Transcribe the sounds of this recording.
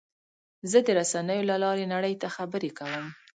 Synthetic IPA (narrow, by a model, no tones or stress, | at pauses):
zəd̪əɾasanəjolalɑɾenaɽəjt̪axabəɾekawəm